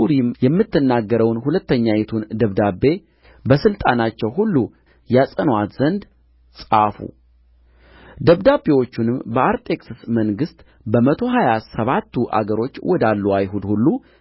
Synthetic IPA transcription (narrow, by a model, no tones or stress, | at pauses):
uɾimjɛmːɨt̪ːɨnːaɡːəɾəwnhulət̪ːəɲːajɛt̪ʰund̪əβd̪abe̞ | bəsɨlt̪ʼanat͡ʃːɛwɦulːu | jasʼənwat̪z̥ənd̪ | sʼa̰fṵ | d̪əβd̪abe̞wo̞t͡ʃːunɨmbəaɾt̪ʼe̞kʼsɨsməŋɡɨst̪ | bəmət̪ʰo̞ɦajasəβat̪ːuʔa̰ɡəɾo̞t͡ʃːwɔd̪alːuajɦud̪hulːu